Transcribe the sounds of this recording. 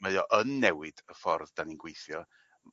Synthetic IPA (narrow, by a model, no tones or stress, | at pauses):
məðjɔʔənːɛwɨd̥əfɔrðd̥aninɡwejθjɔ